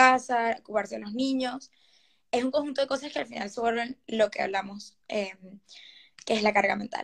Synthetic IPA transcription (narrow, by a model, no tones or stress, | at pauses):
asaokupaɾsealoznĩɲo̞s | e̞suŋkoŋxunt̪o̞ðeko̞saske̞alfina̰lsweɾβe̞nlo̞ke̞a̰β̞lamo̞s | em | keezlakaɾɣamẽ̞nt̪a̰